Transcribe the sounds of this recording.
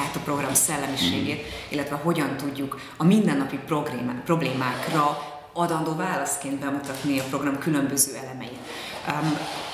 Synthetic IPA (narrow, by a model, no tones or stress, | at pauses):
aːt̪ɒpro̞ɡrɒmsɛlːɛmiʃḛːɡeːt̪ilːɛt̪ʋɛɦo̞ɟɒnt̪uɟːuk | ɒmind̪ɛnːɒpipoɡpro̞bleːmaːkrɒ | ɒd̪ɒnd̪oːvaːlɒst̪keːnd̪bɛmut̪ɒt̪niɒpro̞ɡrɒmkylø̞mbøzøːɛlɛmɛjit̪